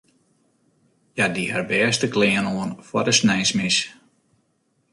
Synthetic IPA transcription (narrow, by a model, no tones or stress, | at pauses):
jadiɛ̰rbɛːəstəklɪːənoənfwɔdəsnɛjsmis